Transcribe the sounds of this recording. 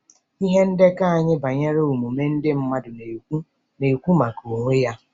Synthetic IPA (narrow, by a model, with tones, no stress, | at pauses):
i˦ɦe˦n̩˦de˦ka˦a˨ɲɪ˦ba˨ɲe˦ɾe˦u˨mu˨me˦n̩˦dɪ˦m̩˦ma˦dʊ˨ne˨ku˦ | ne˨kʷu˦ma˨ko˨ŋʷe˦ja˦